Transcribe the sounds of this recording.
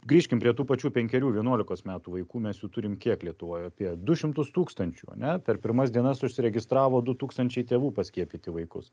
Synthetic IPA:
ɡɾʲiːʃʲkʲɪmpʲɾʲiɛt̪uːpɐt͡ʃʲuːpʲɛŋʲkʲɛɾʲuːʋʲiɛnuɔlʲɪkoːsmʲæːt̪uːʋɐɪkuːmʲɛsjuːt̪ʊɾʲɪmkʲiɛklʲiɛt̪ʊʋoːjɐpʲiɛd̪ʊʃʲɪmt̪ʊst̪uːkst̪ɐnʲt͡ʃʲṵːɐ̰nʲɛpʲɛɾpʲɪɾmɐsd̪ʲiɛnɐsʊʃʲsʲɪɾʲɛɡʲɪst̪ɾɑːʋoːd̪ʊt̪uːkst̪ɐnʲt͡ʃʲɛɪt̪ʲeːʋuːpɐsʲkʲiɛpʲiːt̪ʲɪʋɐɪkʊ̰s

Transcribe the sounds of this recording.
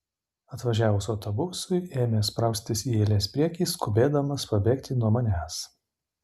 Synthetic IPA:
ɐt̪ʋɐʒʲæːʋʊsɔʊt̪ɔbʊsʊɪʔeːmʲeːspɾɐˑʊsʲt̪ʲɪsiːeːlʲeːspʲɾʲiɛkʲiːskʊbʲeːd̪ɐmɐspɐbʲeːkt̪ʲɪnuɔmɐnʲæːs

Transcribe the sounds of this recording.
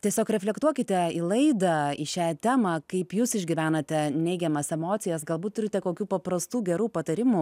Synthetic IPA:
tʲiɛsʲoːkɾʲɛfʲlʲɛkt̪uɔkʲɪt̪ʲɛilˠɐɪd̪ɐiʃʲæːt̪ʲæːmɐkɐɪpjuːsɪʒʲɡʲɪʋʲæːnɐt̪ʲɛnʲɛɪɡʲɛmɐsɛmoːt̪t͡ssʲɪjɛsɡɐlˠbuːt̪t̪ːʊɾʲɪt̪ʲɛkoːkʲuːpɐprɐst̪uːɡʲɛɾuːpɐt̪ɐɾʲɪmu

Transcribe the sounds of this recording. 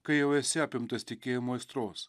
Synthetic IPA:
kəjewesapʲemt̪əsʲt̪ʲikʲemojst̪ɾos

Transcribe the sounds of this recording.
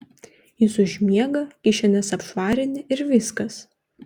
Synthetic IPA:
jɪsʊʒʲmʲiɛɡɐkʲɪʃʲɛnʲɛsɐpʃʋɑːɾʲɪnʲɪʔɪɾʋʲɪskɐs

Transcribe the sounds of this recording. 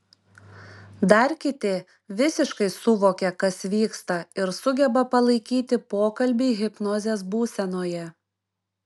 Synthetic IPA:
d̪ɐɾʲkʲɪt̪ʲɪ | ʋʲɪsʲɪʃkɐɪsʊʋoːkʲɛkɐsʋʲiːkst̪ɐɪɾsʊɡʲɛbɐpɐlˠɐɪkʲiːt̪ʲɪpoːkɐlʲbʲiːɣʲɪpnoːzʲeːsbuːsʲɛnoːjɛ

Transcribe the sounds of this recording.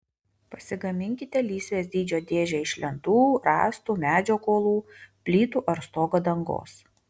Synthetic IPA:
pɐsʲɪɡɐmʲɪŋʲkʲɪt̪ʲɛlʲiːsʲʋʲeːsʲd̪ʲiːd͡ʒʲoːd̪ʲeːʒʲɛɪʃʲlʲɛnt̪uːɾɑ̰ːst̪uːmʲæːd͡ʒʲoːkoːlˠuːpʲlʲiːt̪uːʔɐɾst̪oːɡɐd̪ɐŋɡo̰ːs

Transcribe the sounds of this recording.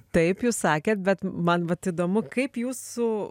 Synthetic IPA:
t̪ɐɪpjuːssɑːkʲeːt̪̚bʲɛt̪mɐnʋɐt̪id̪oːmʊkɐɪpjuːsʊ

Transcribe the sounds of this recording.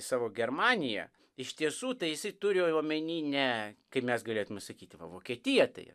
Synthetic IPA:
sɑːʋoːɡʲɛrmɑːnʲɪjɛ̰ | ɪʃʲt̪ʲiɛsuːt̪ɐɪjɪsɐɪt̪ʊɾʲɪjoːoːmʲɛnʲiːnʲɛkɐɪpmʲɛsɡɐlʲeːt̪ʊmʲɛsɐkʲiːt̪ɪʋɐ̰ʋoːkʲiɛt̪ʲɪjɛt̪ɐ̰ɪ

